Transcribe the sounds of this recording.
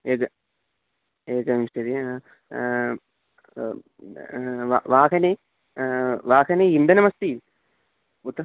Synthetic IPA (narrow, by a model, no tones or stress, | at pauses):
eːkɐ | eːkɐmiʂɐd̪e | ʋa̰ʋaːɦɐne | ʋaːkɐneind̪ɐnɐmɐst̪iːl | ut̪ːɐ